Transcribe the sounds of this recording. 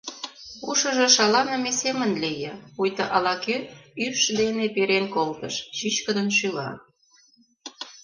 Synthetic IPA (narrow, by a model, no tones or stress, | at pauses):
uʃɤ̆ʒĕʃɑlɑnɑmesemənlejɑujt̪əʔɑlɑkøyrʃd̪enepeɾenkolt̪əʃʃyt͡ɕkə̆d̪ənʃ̬ylɑ̰